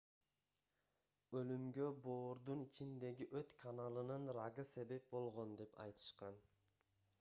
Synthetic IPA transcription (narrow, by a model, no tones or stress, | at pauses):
ølymɡø̞bo̞ːɾd̪unit͡ʃind̪e̞ɡiʔøt̪kʰanalˠɯnɯnɾaɡɯse̞be̞p̚bo̞lˠʁo̞nd̪e̞pɑ̰jt̪ʰɯ̥ʃqɑn